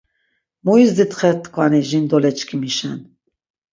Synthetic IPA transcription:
muizd̪it̪ʰχɛt̪kʰʼwanɛʒind̪ɔlɛt͡ʃkʰimiʃɛn

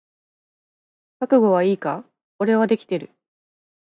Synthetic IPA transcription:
kakɯ̟ɡo̞β̞aiːka | ko̞ɾe̞β̞ad̪e̞kʲi̥t̪e̞ɾɯ̟

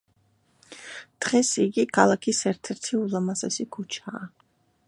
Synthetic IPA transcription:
d̪̥ʁɛsiɡikʰalˠakʰisɛɾt̪ʰɛɾt̪ʰiulˠamasɛ̰sikʰut͡ʃʰaː

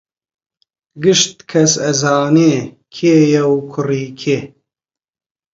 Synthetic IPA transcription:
ɡɨʃt̪̚kʰɐsɐzaːneː | kʰeːjɛwkʰʊriːkʰeː

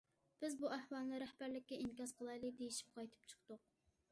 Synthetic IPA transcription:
b̥ɪzbuæhwɑlˠnɨɾæhb̥æɾlɪkʲːɛinkʲɑsqʰəlˠɑjlˠɨd̪ejiʃi̥p̚qʰɑjt̪ʰɨ̥p̚t͡ʃʰə̥χt̪ʊq̚

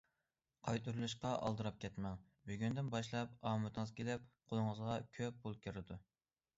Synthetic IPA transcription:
qʰɑjt̪ʰuɾulˠuʃqɑʔɑ̰lˠd̪ɨɾɑp̚kʲʰɛt̪mɛŋ | byɡʲynd̪ɪnbɑʃlˠɑp̚ɑːmɨt̪ʰɨŋəzkʲʰelɪp̚qʰolˠʊŋəzʁɑkʲʰøp̚ːʰulˠkʲʰyɾɪd̪u

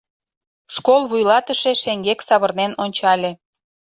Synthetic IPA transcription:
ʃkolˠβujlɑt̪əʃe̽ʃeŋɡeksɑβərnenonʲt͡ɕɑlʲe

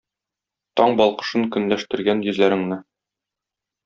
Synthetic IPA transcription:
t̪ɒɴbɒlˠqɤ̥̆ʃɤŋkɵ̆nlæʃt̪ɘ̆ɾɡænjɵ̆zlæɾɘ̆ŋnɘ

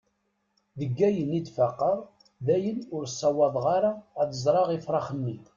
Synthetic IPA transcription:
ðəɡːæjənid̪faqːəɾˤ | ðæjənʊɾsˤːɑwɑðˤʁaɾaːθəzˤɾˤɑʁifɾˤɑχənːi

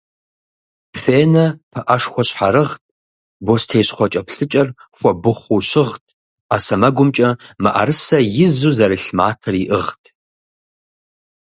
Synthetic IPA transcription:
feːnɐpʰɐʔɐʂxʷɔɕħaɾɨʁt̚ʰʼ | bostʰeːɕχʷɔt͡ʃʼɐpʰɬɨt͡ʃʼɐrχʷɔbɨχʷuɕɪʁtʰ | aːsɐmɐɡʷʊmt͡ʃʼɐmɐʔɐ̰ɾɨsɐjɪzuzɐɾɨɬmaːtʰɐriʔɨʁtʰ

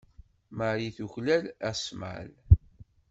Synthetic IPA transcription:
maɾiθuçlælæsma̰l

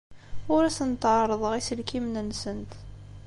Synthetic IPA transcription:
ʊɾæsənt̪əʕɾˤəðˤəʁisəlkimnənsənt̪

